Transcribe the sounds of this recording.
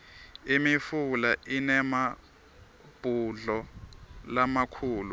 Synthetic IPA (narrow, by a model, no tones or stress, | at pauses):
imifulaʔinɛma | b̥ʱuɮɔ | lamakʰuːlu